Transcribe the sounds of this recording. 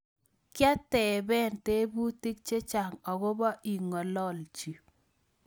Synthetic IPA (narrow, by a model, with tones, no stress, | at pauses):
kja˦tɛ˨bɛ˦˨nte˦bu˦ti˦k̚t͡ʃe˦t͡ʃa˨ŋɔ˨ɣo˦ba˦ʔi˨ŋɔ˨lɔ˦lt͡ʃi˨